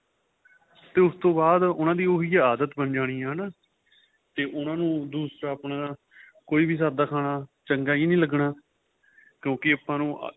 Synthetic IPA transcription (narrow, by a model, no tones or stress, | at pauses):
t̪eːʊst̪õːbaːd̪ʊnãːd̪iːoːɦiːaaːd̪ət̪bənd͡ʒaːɽ̃iːɦaːna | t̪eːʔʊnãːnũːd̪uːsɾaːəpɳaː | koːiːbiːs̬aːd̪aːkʰaːɽaːt͡ʃəŋɡaːiːnĩːləɡɳaː | kjõːkɪəpːãːnṵ̃ː